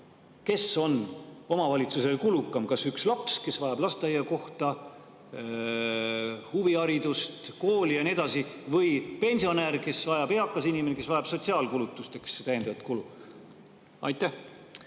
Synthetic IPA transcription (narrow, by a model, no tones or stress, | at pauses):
ke̞so̞no̞mɑvɑlʲit̪suse̞lkulukːˑɑmkɑsykslɑpske̞svɑjɑb̥lɑst̪ɑjeko̞ht̪ɑ | huviɑɾid̪ust̪ko̞ːlijɑnie̞d̪̥ɑsivɤjpe̞nʲsio̞næɾke̞svɑjɑb̥e̞ɑkːˑɑsinimenekesvɑjɑb̥so̞t̪ʲsiɑːlkulut̪ːˑust̪e̞kset̪æjed̪̥ɑvt̪kulu | ɑ̰jt̪ːˑæh